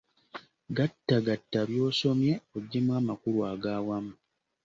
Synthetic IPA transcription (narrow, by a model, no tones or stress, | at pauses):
ɡatːaɡatːaβjo̞ːso̞mje̞oɟːemwaːmakuɾwaːɡaːwamu